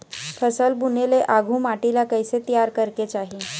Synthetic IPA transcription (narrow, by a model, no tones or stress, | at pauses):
fʰəsəlbuneleʔaɡʱũːmaʈilakəjset̪ijaɾkəɾket͡ɕaɦi